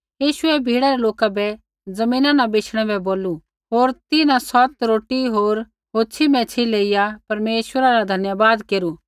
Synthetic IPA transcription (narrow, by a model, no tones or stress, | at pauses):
jiːʃʊɛbʱiːɽaɾɛloːkabɛ | d͡zɐmĩːnãnabeːt͡ʃʰɽ̃ɛbɛboːlu | ɦoːɾt̪ɪnãsɔt̪ɾoːʈiɦoːɾ | ɦoːt͡ʃʰimɛ̃t͡ʃʰileːɪjapɐɾmeːʃwəɾaɾad̪ʱɐnjabaːd̪keːɾu